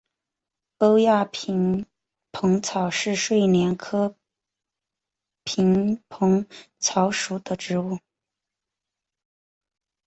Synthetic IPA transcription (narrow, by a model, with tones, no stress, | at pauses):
po˥ʊja˥˩pʰi˧˥ŋ | pʰɤ˧˥ŋt͡sʰɑ˨˩ʊʂɻ̩˥˧ʂwe˥˩ɪnjɛ˧˥nkʰɤ˥ | pʰi˧˥ŋpʰɤ˧˥ŋ | t͡sʰɑ˧˥ʊʂu˨˩d̪̥ə˦ʈ͡ʂɻ̩˧˥u˥˩